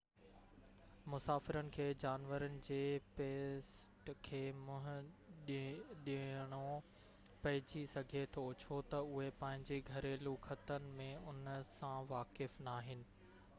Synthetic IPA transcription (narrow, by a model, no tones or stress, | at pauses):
mʊsaːfɪɾənɪ̆kʰeːd͡ʑaːnʋəɾənɪ̆d͡ʑeːpeːsʈkʰeːmʊ̃ɦʊ̃ɗɗɪəɽ̃o | pɐɦɪd͡ʑisɐɡʱet̪ʰoʊt͡ɕʰot̪ɐʊɦepɐ̃ɦɪ̃ɲd͡ʑeɡʱɐɾeluːkʰət̪ənɪ̆mẽʊnsãʋaːkɪfnaːɦɪnɪ̆